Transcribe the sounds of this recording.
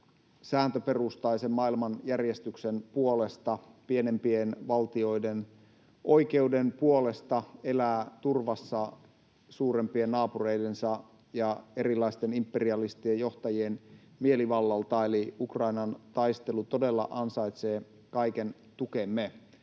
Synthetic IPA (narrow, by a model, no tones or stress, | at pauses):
sæːnt̪øperust̪ɑisemmɑilmɑnjærjest̪yksenpuolest̪ɑpienempienʋɑlt̪io̞iden | ʔo̞ike̞udenpuolest̪ɑelæːt̪urʋɑsːɑ | suːrempienːɑːpureidensɑ | jɑeɾilːˑɑist̪enimpːeriɑlist̪iejoht̪ɑjien | mieliʋɑlːɑlt̪ɑeliukrɑinɑnt̪ɑist̪elut̪odelːɑ̰ʔɑnsɑjt̪seː | kɑiken | t̪ukemːe